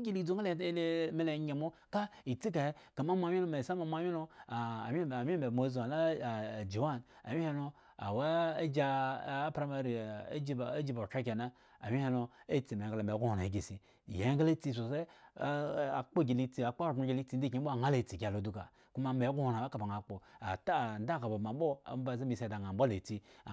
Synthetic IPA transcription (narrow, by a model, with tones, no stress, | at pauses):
ɡʲi˦li˦du˦ŋa˦llme˦le˨˦e˨mo˦ka˦i˨t͡si˦k̬a˨e˦ka˨ma˦mʷ˦a˨˦i˦lo˦ma˨sa˦ma˨mʷ˦a˦i˦lo˦˨m˦˨mʲi˦be˨mo˦za˨la˦˨d͡ʒu˨wa˦˨na˨wʲi˦he˦no˦ | a̰˨wa˦d͡ʒa˦˨˦pɾa˨˦ma˦ɾḭ˨˦d͡ʒi˦˨˦d͡ʒi˦ba˨t͡ʃa˦k̬ʲe˨na˦ | a̰˨mʲi˦he˦no˧e˦t͡si˨me˨˦ɡa˨la˨me˨˦ɡʷu˦ho˨ɾa˨e˨˦ɡʲi˨si˨ | je˨˦ɡa˦la˦t͡si˦s̬o˨se˦˨ | a̰˨k͡po˦ɡʲi˨li˦t͡si˨a˨k͡pa˦˨˦a˨˦ɡʲi˨li˦ti˨n̩˦di˦i˦o˦a˨ŋa˦le˨t͡si˨ɡʲa˨lo˨˦du˦ka̰˨ | ku˦ma˦me˨˦ɡu˦ho˨ɾa˨a˦ka˨ba˨ŋa˨k͡po˨a˨ta˦˨n˦da˦˨ka˨ba˨ma˨˦ɓo˦a̰˨˦ba˨ze˦mi˨se˨da˨ŋa˨˦bʷa˦le˨ti˦˨